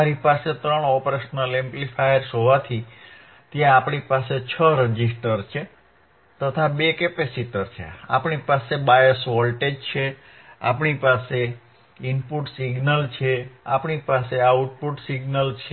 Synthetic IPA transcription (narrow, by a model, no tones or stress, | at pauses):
aɾipaset̪ɾəɳɔpɾesnəlemplifajəɾsɦoʋat̪ʰi | t̪jãːpɳipaset͡ʃʰəɾəd͡ʒisʈəɾt͡ʃʰe | t̪ət̪ʰabekepesiʈəɾt͡ʃʰḛa̰pɳipasebajəsʋɔlʈed͡ʒt͡ʃʰe | a̰pɳipase | impuʈsiɡnəlt͡ʃʰeapɳipaseauʈ̚puʈsiɡnəlt͡ʃʰ